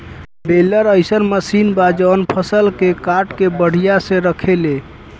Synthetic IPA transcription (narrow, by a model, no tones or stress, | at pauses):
beləɾəjsənməsinbad͡ʒəənpʰəsəlkekaʈkebəɽ̤ijasẽɾəkʰele